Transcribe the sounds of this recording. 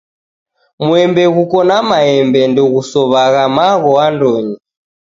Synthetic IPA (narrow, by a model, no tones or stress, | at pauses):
muɛmbɛɣukɔnamaɛmbɛndɔɣusɔβaɣamaɣɔandɔɲi